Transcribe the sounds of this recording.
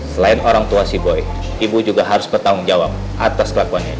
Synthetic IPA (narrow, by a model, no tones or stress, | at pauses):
səlaɪnoɾaŋt̪uasiboj | ibud͡ʒuɡaɦaɾʊsbərt̪aʊŋd͡ʒawap̚ | ʔat̪askəlakuanɲa̰